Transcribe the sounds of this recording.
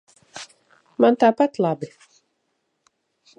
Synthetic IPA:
mant̪aːpat̪lˠabi

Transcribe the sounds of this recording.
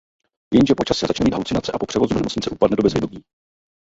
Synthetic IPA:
jɛnʒɛpo̞t͡ʃasɛzat͡ʃnɛmiːd̪ɦa̰lut͡sɪnat͡sɛʔapo̞pr̥ɛvozudnɛmot͡sɲɪt͡sɛʔupadnɛdobɛzvjɪɛdomiː

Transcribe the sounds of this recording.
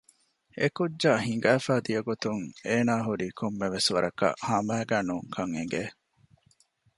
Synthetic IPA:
ekudd͡ʒaɦiŋ̆ɡæːfæːd̪ijɐɡot̪uŋeːnaːɦuɾiːkʰomːeʋesʋɐɾʔɐkɐ̰ʔhɐmæːɡæːnuːŋkʰɐŋḛŋɡe

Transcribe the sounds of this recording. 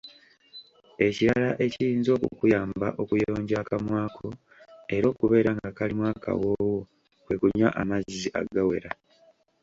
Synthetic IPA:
e̞ciɾalaʔe̞cijiːnzo̞ːkukujaːmba̰ʔo̞kujo̞ːɲɟakamwaːkʰo̞ | e̞ɾo̞ːkuβe̞ːɾaŋɡakalimwaːka̰wo̞wo | kwe̞kuɲːa̰ʔamaziʔa̰ɡawe̞̰ɾa

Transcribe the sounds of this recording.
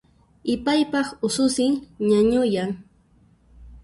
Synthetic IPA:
ɪpajpɑχʊsʊsɪŋɲaɲʊjaŋ

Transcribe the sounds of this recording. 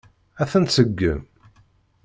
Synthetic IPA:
æθənsəɡːə̰m

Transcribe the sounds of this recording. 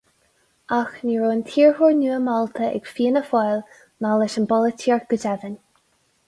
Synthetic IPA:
axniɹoːnt̪ʰiːɹhuɹnuːəmɔlt̪ʰəʔɛ̰ɡ̥fiːənəfɔjl | nalɪʃənbɔlətʰiːɹ̚ɡ̥əd͡ʒɛðən

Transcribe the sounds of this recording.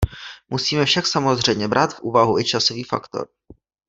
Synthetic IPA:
musiːmɛfʃaksamo̞zr̝ɛjmɲɛbɾʔaːt̪fʔuːvaɦuʔɪt͡ʃasoviːfa̰kt̪o̞̰ɾ

